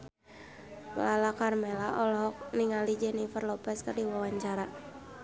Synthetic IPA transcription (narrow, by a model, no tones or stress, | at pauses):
lalakarmɛlaɔlɔɦɔk̚niŋalid͡ʒɛnifərlɔpɛskərdiwawaɲt͡ʃaɾa